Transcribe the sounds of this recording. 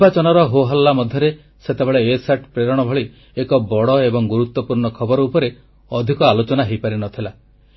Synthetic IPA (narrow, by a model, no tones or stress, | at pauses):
ibat͡ʃɔnɔɾɔɦoɦɔlːamɔd̪ʱjɔɾe | set̪ebeɭeːsaʈpɾeɾɔɽ̃ɔbʱɔɭi | ekɔbɔɽɔebɔŋɡuɾut̪ːwɔpuɾɳɔkʰɔbɔɾɔupɔɾe | ɔd̪ʱikɔalot͡ʃɔnaɦejpaɾinɔt̪ʰila